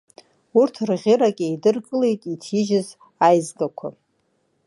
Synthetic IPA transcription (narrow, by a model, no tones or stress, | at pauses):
urtʰrʁʲɪɾakʲʼejdɨrkʼɨle̞jtʼitʰiʒɪz | ajzɡakʷʰa̰